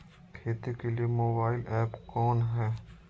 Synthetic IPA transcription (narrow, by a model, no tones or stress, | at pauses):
kʰeːt̪ekeliemoːbaːɪlɛːpkɔːnɦɛː